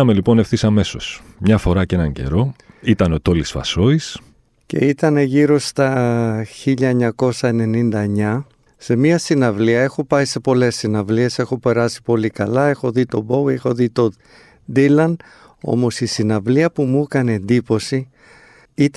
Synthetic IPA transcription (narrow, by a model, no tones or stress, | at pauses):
ɐme̞lipo̞nefθisɐme̞so̞̰smɲɐfo̞ɾɐcenɐɲɟe̞̰ɾo̞it̪ɐnot̪o̞lisfɐ̰so̞is | ce̞̰it̪ɐne̞ʝiɾo̞st̪ɐçiʎɐeɲɐko̞sɐe̞ne̞nind̪ɐeɲɐ | se̞miɐsinɐvliɐe̞xo̞pɐise̞po̞le̞sːinɐvlie̞se̞xo̞pe̞ɾɐsi̥po̞likɐlɐe̞xo̞ðit̪o̞bowe̞xo̞ðit̪o̞ | d̪ilɐn | o̞̰mo̞sisinɐvliɐpumukɐnend̪ipo̞si | it̪